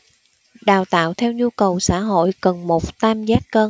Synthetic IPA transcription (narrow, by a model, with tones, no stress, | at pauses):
ɗaː˨˩wt̪a̰ː˧˨wt̪ʰɛ˧wɲu˧kə˨˩wsa̰ː˧˥ɦo̰˧˨jkə˨˩nmo˨˩t̚t̪aː˧mzaː˦˥t̚kəː˧